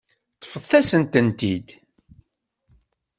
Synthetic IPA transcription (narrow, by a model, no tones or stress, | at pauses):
θə̥fəθːæsənt̪ənt̪id̪